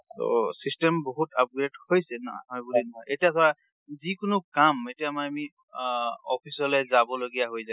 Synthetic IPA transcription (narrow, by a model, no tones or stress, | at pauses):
to̰sistɛmboɦutʰap̚ɡɹedhojsɛnɔɦɔjbulinɔɦɔjetiatʰɔɹa | zikʊnʊkametiamaami | ɔpʰisɔlɛzabɔloɡijaɦojza